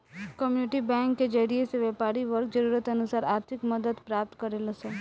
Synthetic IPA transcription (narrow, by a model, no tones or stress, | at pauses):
kəmjunɪʈibɛ̃ŋkːed͡ʒəɽieseʋɛpaɾiʋəɾk̚d͡ʒəɾuɾət̪ənusaːɾaːɾt̪ʰɪkməd̪əd̪pɾap̚t̪kəɾelose